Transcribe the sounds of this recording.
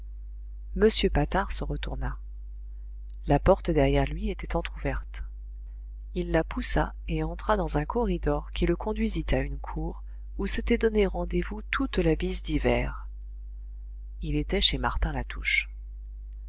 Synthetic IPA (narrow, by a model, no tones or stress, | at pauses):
məsjøpat̪aʁsəʁət̪uʁna | lapɔʁt̪d̪ɛʁjɛʁlɥiet̪ɛt̪ɑ̃t̪χuvɛʁt̪ | ilːapusa | eɑ̃t̪χad̪ɑ̃zɛ̃kʰɔʁid̪ɔʁkʲiləkʰɔ̃d̪ɥizit̪aynkʰuːʁ | uset̪ɛd̪ɔneʁɑ̃d̪evut̪ʰut̪labizd̪ivɛ̰ʁ | ilet̪ɛʃema̰ʁt̪ɛ̃lat̪ʰuʃ